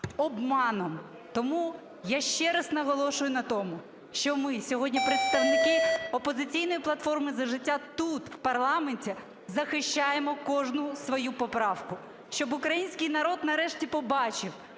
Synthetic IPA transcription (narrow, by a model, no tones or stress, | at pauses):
ɔbmɑnɔm | t̪ɔmu | jaʃt͡ʃɛɾɐsnɐɦɔlˠɔʃʊjʊnɐt̪ɔmʊ | ʃt͡ʃɔmɪsʲɔɦɔdʲnʲipɾet̪st̪ɐwnɪkɪɔpɔzɪt͡sʲijn̪ɔjiplˠɐt̪fɔrmɪzɐʒɪtʲːat̪ut̪wpɐrlˠɑmenʲtʲi | zɐxɪʃt͡ʃajemɔkɔʒnʊsʋɔjupɔpɾɑwkʊ | ʃt͡ʃɔbʊkɾɐjinʲsʲkɪjnɐɾɔd̪nɐɾɛʃtʲipɔbɑt͡ʃɪw